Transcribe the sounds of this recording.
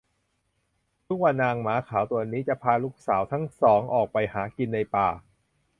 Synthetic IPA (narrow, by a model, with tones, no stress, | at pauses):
t̪ʰu˦˥k̚wa˧nːaː˧ŋmaː˩˦kʰaː˩˦wt̪u˧ɐniː˦˥t͡ɕa˨˩ʔpʰaː˧luː˦˥k̚saː˩˦wt̪ʰa˦˥ŋsɔː˩˦ŋʔɔː˨˩k̚pa˧jhaː˩˦ki˧nːa˧jpaː˨˩